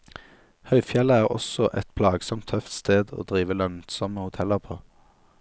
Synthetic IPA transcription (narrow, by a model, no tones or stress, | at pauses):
hœʏfjɛləæːʁɔ̰sɔʔɛt̪pʰlɑːɡsɔmt̪ʰːœft̪st̪eːd̪o̰ːd̪ʁiːʋəlœnt̪sɔməhʊt̪ʰɛləʁpʰoː